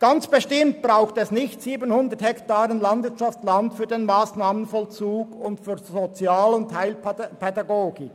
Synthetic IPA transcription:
ɡ̥ɑnt͡sb̥eʃtɪmt̚b̥ʁaʊxtɛsnɪçtsiːbənhʊndəthɛktaːʁənlɑndvɪɐtʃɑft͡slɑntfyːɐdenmaːsnaːmənfɔlt͡suːɡʊntfyːɐzot͡sjaːlʊntʰhaɪlpʰɛdɑɡoːɡɪk

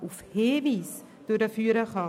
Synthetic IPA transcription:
ufheːviːs | d̥udəfyːɾəχɑ

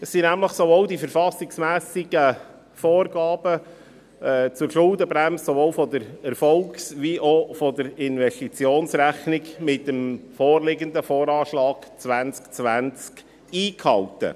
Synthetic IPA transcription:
əsːinæmləχsovoːwd̪ifəɾfɑsɪksmæːsɪɡə | foːrɡɑːb̥ə | t͡sʊɾʃʊld̪əbɾæmssɔvoːwfɔd̪əɾɛɾfɔlksviʔofɔd̪əɾɪnvɛstit͡sjoːnsɾæχnɪɡmɪtːəmfoːrlɪɡənd̪əfoːɾɑːʃlɑːɡ̥t͡sʋænt͡skt͡sʋænt͡sk | iːkhɑltə̰

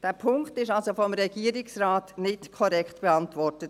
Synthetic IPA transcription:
d̥æːɾpʰʊŋktɪʃɑlsofɔmɾɛɡ̥iːəɾɪksraːtnɪtkʰɔɾɛkχtb̥eɑntʋɔrtət

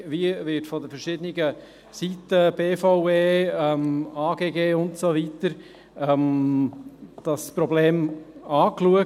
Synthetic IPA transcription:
viəvɪtfɔdəfɛɾʃɪdəniɡə | sitəb̥eːfaʊeːɛmaːɡ̥eːɡeːʊntsovit̪əɾ | ɛm | d̥ɑspɾɔbleːmɑːkluə

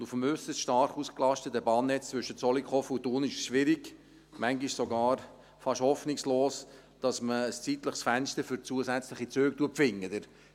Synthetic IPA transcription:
dufəmʏsəsʃtɑɾχuːsklɑʃtətəbɑːnːɛt͡st͡sʋʏʃət͡sɔlikχɔfutoːnɪʃsʃʋɪɾɪɡ̥ | mæŋɡɪʃsoɡɑːɾ | fɑʃhɔfnɪksloːs | d̥ɑsməːst͡sitləχsfænʃtəɾfʏɾt͡suəsæt͡sləχit͡søːktuəpfɪŋːədɪɾ

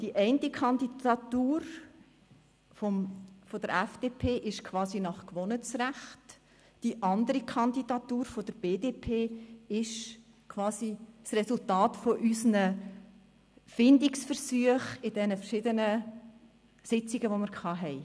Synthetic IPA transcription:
d̥iʔɛɪntikʰɑndiɑtuːɾ | fɔmfodəɾɛfd̥eːpʰeːʔɪʃkʰvɑːzinɑχkʋɔnət͡sræχt | d̥iʔɑndəɾikʰɑnd̪idɑtuːɾfod̥əɾb̥eːdeːpʰeːɪʃ | kʰʋɑːsisrɛsultɑːtfoʔysnə | fɪndiksfəɾsyəχɪd̥ɛnəfəɾʃɪdənə | sɪt͡siɡəʋomɪɾkʰɑːɦɛɪ

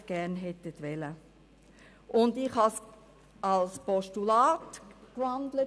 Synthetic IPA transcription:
ɡ̥æɾnɦɛtətʋɛlə | ʔʊndɪχhɑs | ɑlspɔʃtulɑːtɡ̥ɹandlə

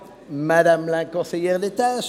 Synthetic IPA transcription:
mad̪amlɛ̃kɔ̃sejɛʁd̪et̪as

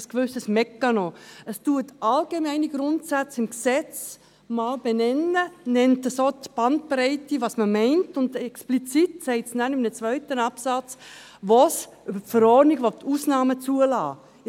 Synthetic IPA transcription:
skʋʏsəsmɛkːɑnoəstuətʔɑlɡemɛɪniɡɾʊntsat͡sɪmksɛt͡s | mɑːlb̥enɛnənɛntəsotb̥ɑnt̚pɾɛɪtiʋɑsməmɛɪntʊndɛksplit͡sitsɛɪtsnænɪmnət͡svœʏtənɑpsɑt͡s | ʋos | ybəfəɾɔdniɡʋotʰuːsnɑːmət͡suəlɑ̰ː

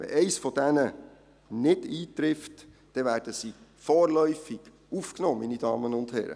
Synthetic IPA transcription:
ʋɛ̰ʔɛɪsfɔd̥ɛnə | nɪdiːtɾɪft | d̥ɛvæːɾd̥əsifɔːrlœʏfiɡ̥ | ufknɔːminidɑːmənʊnd̥hɛɾə̰

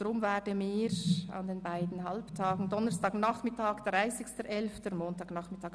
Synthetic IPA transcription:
ɾʊmvɛːdəmiːɾa̰ndeːnbaɪdn̩ɦalptʰaːɡŋ̩dɔnəɾstaːɡnaχmɪtaːɡd̥raɪsɪçstəʔɛlftəmoːntaːɡnɑχmɪtaːk

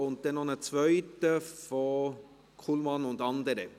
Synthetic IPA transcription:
ʊnt̚d̥ɛnɔnət͡sʋœʏtəfɔ | kʰulmɑnʊndɑnd̪əɾə

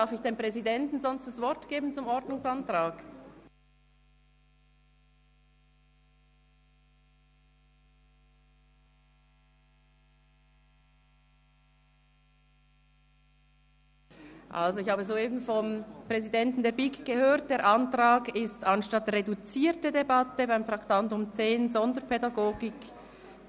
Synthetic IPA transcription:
afɪçd̥eːmpʁ̥ɛzidɛntn̩zɔnst̚d̥asv̥ɔɾtɡ̥eːbn̩t͡sʊmɔɾdnʊŋsantʁaːɡ | ʔa̰lzoɪçhɑːbəzoːeːbn̩fɔmpr̥ɛzidɛntn̩deːɐbikɡ̥əhøːʁt̚d̥eːɾʔɑntʁaːɡɪstɑnʃtɑtredut͡siːtədebɑtəbaɪmtʁɑktantʊmt͡seːnzɔndəpʰɛdɑɡoːɡɪk

